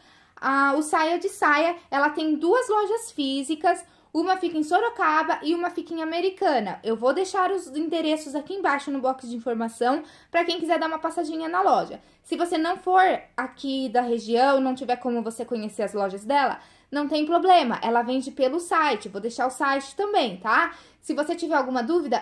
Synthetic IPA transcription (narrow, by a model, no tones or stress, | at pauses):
aʊsajɐd͡ʒɪsajɐɛlɐt̪ẽj̃d̪uɐzlɔʒɐsfizikɐs | ũmɐfikẽj̃soɾokabɐʔɪũmɐfikẽj̃ameɾikɐ̃nɐʔewvowd̪ejʃaɾʊzĩd̪eɾesʊzakiẽj̃bajʃʊnʊbɔkɪd͡ʒɪĩfoɾmasɐ̃w̃ | pɾɐkẽj̃kizɛɾd̪aɾũmɐpasaʒĩɲɐnɐlɔʒɐ̰ | sɪvosenɐ̃w̃foɾakid̪ɐɦeʒiɐ̃w̃nɐ̃w̃t͡ʃivɛɾkõmʊvosekõɲeseɾɐzlɔʒɐzd̪ɛlɐ̰ | nɐ̃w̃t̪ẽj̃pɾoblẽmɐʔɛlɐvẽd͡ʒɪpelʊsajt͡ʃɪvod̪ejʃaɾʊsajt͡ʃɪ̥t̪ɐ̃mbẽj̃t̪a | sɪvoset͡ʃivɛɾawɡũmɐd̪uvid̪ɐ